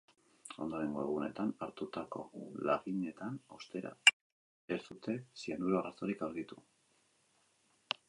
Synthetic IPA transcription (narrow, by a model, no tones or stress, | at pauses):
o̞nd̪oɾe̞ŋɡoeɣune̞t̪anaɾt̪ut̪ako̞̰laɣine̞t̪ano̞st̪e̞ɾa̰ | eɾsut̪e̞sianuɾoarasoɾikawɾɣit̪u